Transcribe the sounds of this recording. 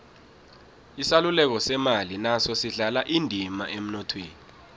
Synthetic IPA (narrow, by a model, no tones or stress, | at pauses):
isalulɛk̬ɔsɛmalinasɔsiɮalaʔindʱimaʔem̩nɔtʰweːni